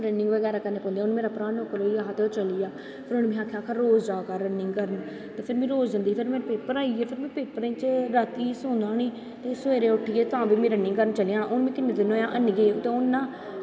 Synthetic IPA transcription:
ɾənɪŋɡʋəɡɛːɾaːkəneːpɔ̃ːnd̪iaːʊnːmeːɾaːpɾaːnokːəɾoːiaːɦat̪eːot͡ʃəlijaː | pʰɪɾʊnmĩːaːkʰjaːkʰəɾːoːzd͡ʒaːkaɾənɪŋɡkəɾən | t̪eːpʰɪɾmĩːɾoːzd͡ʒ̪ənd̪iːpʰɪɾmẽːnpeːpəɾaːiːeːpʰɪɾmɛ̃ːpeːpːəɾẽːt͡ʃɾat̪iːsõːnd̪aːniː | t̪eːseːɾeːʊʈʰːieːt̪ãːʋiːmĩːɾənɪ̃ŋɡkəɾənt͡ʃəliãːnːʔʊnmĩːkɪned̪ɪnoːjãːʔənɡeːt̪eːʊnːãː

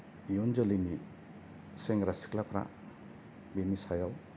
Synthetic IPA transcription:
jɔnd͡ʒɔlini | seŋɡɾasi̥klapɾa̰ | binisajaw

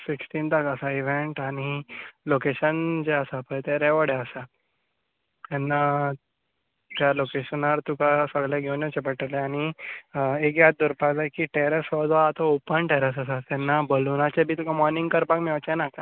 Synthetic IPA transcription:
fiksʈiːnt̪akasaiʋeɳʈaɽ̃ilokeɕənd͡ʑeəsapəjt̪eɾɛʋəɽeəsa | t̪ɛnːa | t̪jalokeɕənaɾt̪ukasəɡleɡʱewnet͡ɕepəʈəleaɽ̃i | ek̬jat̪̚d̪uɾpakd͡zajkiʈeɾesɔd̪ʋaːt̪ɔ̃opənʈeɾəs̬əs̬at̪ɛnːabəlunat͡ɕebʱiːt̪ukamɔɾnĩŋɡkəɾpakmɛʋt͡ɕanaka

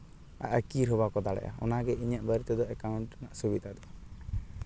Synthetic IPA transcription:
a̰ʔəkiɾɦɔbakɔd̪aɽɛ̰ʔa̰ɔ̰naɡɛiɲəʔbəɾt̪ɛd̪ɔɛkauɳʈnaʔsubid̪ʱad̪ɔa

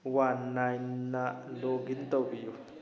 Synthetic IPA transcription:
wanːajnːaloɡint̪obiju

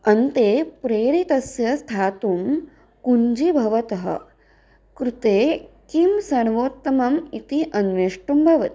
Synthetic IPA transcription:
ɐnt̪eːpɾeːɾit̪ɐsjɐst̪ʰaːt̪um | kuɲd͡ʒibʱɐʋɐt̪ɐɦɐ̰ | kɾut̪eːkimsɐɳ̃ʋoːt̪ːɐmɐmit̪iʔɐnʋeʂʈumbʱɐʋɐt̪i̥

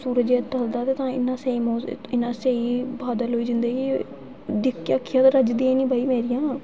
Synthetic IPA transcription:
suːɾəd͡ʒeːt͡ʃəld̪aːt̪eːt̪ãːɪnːãːseiːmoːɪnãːseːiːbaːd̪əlɦoːiːd͡ʒɪnd̪əɡi | d̪ɪkːjaːkʰːɪjaːt̪ãːɾəd͡ʒd̪iːãnĩːbaːiːmeːɾɪjãː

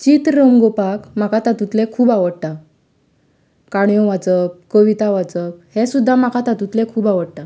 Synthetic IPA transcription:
t͡ɕit̪ɾəmɡopakm̤akat̪at̪ut̪lɛkʰuːbaʋəɽʈ̪a | kaɽjɔ̃ʋad͡zəp̚kəʋit̪aʋad͡zəphɛ̃sud̪ʱːamakat̪at̪ut̪lɛ̃kʰuːbaʋəɽʈ̪a

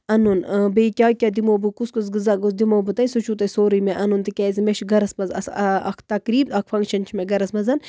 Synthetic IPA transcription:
ɐnunbeikʲaːkʲad̪imoːbɨkuskus̬ɡɨzaɡosd̪imoːbɨt̪ɐjsut͡ʃʰut̪ɐsoːɾɨjmeʔɐnunt̪ɨkʲaːzimeʃɡɐɾɐsmɐzɐ̰sɐɐ̰kʰt̪ɐkɾiːbɐkʰfʰɐŋkʃɐnt͡ʃʰimeɡɐɾɐsmɐzɐn

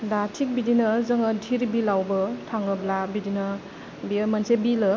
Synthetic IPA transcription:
datʰik̚bidinɐzɐŋɐdʱiɾbilawbɐtʰaŋɯblabidinɐ | bimansebilɯ

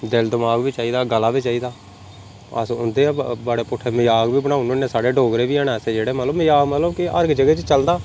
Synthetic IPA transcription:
d̪ɪld̪ɪmaːɡʋiːt͡ʃaːiːd̪aːɡəlːaːbiːt͡ʃaːiːd̪aː | ə̰sʊ̰nd̪eːbaɽeːpʊʈʰːeːmɪjaːɡbiːbəɽãːunũːneːsaːɽeːɖoːɡɾeːʋiːaːɽeːseːd͡ʒeːɽeːmət̪ləməjaːɡmət̪ləbkɪʔə̰ɾɡd͡ʒəɡeːt͡ʃt͡ʃəld̪aː

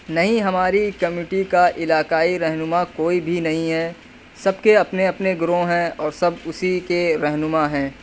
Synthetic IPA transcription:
nɐɦĩɦɐmaːɾikɐmiːʈikaʔɪlaːkaːiɾɛɦnʊmakoːibʱinɐɦĩɦɛː | sɐb̚keɐpneɐpneɡɾõɦɛ̃ɔːɾsɐbʊsikeɾɛɦnʊmaɦɛ̃ː

